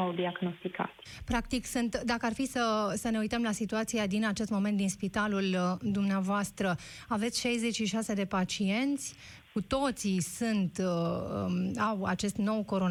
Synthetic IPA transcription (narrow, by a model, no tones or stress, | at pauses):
awd̪iaɡno̞st̪ika̰t̪ʲ | pɾakt̪iksɨnt̪d̪akəarfisəsəne̞ujt̪əmlasit̪uat̪siad̪inat͡ʃe̞st̪mo̞ment̪d̪inspit̪aluld̪umneavoast̪ɾə | ave̞t̪sʲʃajze̞t͡ʃʃiʃase̞d̪e̞pat͡ʃie̞nt̪sʲ | kut̪o̞t̪sisɨnt̪əawa̰t͡ʃe̞st̪no̞wko̞ɾo